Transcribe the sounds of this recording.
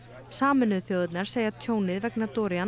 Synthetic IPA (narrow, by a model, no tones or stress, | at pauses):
saːmʏnʏðθjowðɪt̪naɾ̥seːjat̪ʰjoːwnɪðvɛknat̪ɔːɾian